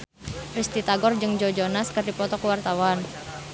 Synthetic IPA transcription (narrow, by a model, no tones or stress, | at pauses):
pɾist̪it̪aɡɔrd͡ʒɨŋd͡ʒod͡ʒonaskərdipɔt̪ɔkəwart̪awan